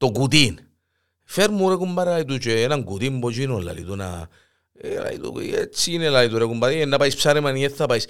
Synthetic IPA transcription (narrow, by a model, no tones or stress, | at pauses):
t̪oɡud̪̬in | feɾmuɾekumbaɾelalit̪̬ut͡ʃenaŋɡud̪imbot͡ʃinola̰lḭt̪una̰ | ela̰ḭt̪ṵet͡ʃinelalit̪uɾekumbaɾeenːapaispsaɾemanieθapajs